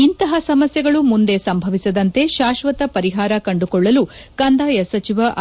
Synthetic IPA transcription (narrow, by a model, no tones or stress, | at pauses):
int̪ɐɦɐsɐmɐsjɐɡɐɭumund̪e̞sɐmbʱɐʋisɐd̪ɐnt̪e̞ʃaːʃʋɐt̪ɐpɐɾiɦaːɾɐkɐɳɖukɔɭːɐlukɐnd̪ʱaːjɐsɐt͡ʃiʋɐʔ